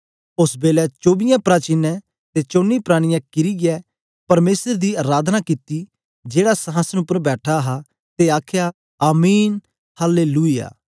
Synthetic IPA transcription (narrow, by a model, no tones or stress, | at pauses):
ʊsbeːlɛːt͡ʃoːbɪjãːpɾaːt͡ʃiːnːɛ̃ː | t̪eːt͡ʃoːnːiːpɾaːɽ̃ɪjãːkɪɾiːɡɪɛː | pɐɾmeːsəɾd̪iːaːɾaːd̪ʱnaːkit̪iː | d͡ʒeːɽaːsəɦãːsənʊpːəɾbɛːʈʰaːɦaː | t̪eaːkʰjaː | aːmiːn | haleːluːija̰ː